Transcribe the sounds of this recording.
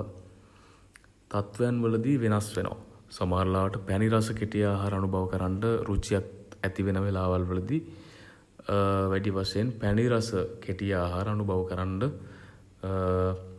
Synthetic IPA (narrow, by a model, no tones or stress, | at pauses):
t̪at̪ʋəjanʋələd̪iʋenasʋenʔə̰ʋa̰sɐmaːɾlaːʋəʈəpæɳiɾasəkeʈijaːɦaːɾəanubʱaʋəkəɾaɳɖəɾut͡ʃijat̪æt̪iʋenəʋelaːʋalʋələd̪i | ʋæɖipaseenpæniɾasəkʰeʈijaːɦaːɾəanubʱaʋəkəɾaɳɖə